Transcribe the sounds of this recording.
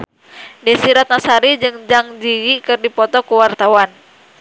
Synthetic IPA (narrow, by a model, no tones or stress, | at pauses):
dɛsiɾat̪̚nasaɾid͡ʒɨŋd͡ʒaŋd͡ʒiwikɨrdipɔt̪ɔkuwart̪awan